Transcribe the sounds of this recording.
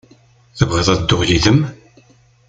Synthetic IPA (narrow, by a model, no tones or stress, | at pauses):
θəvʁəðˤæðd̪ːʊʁjiðəm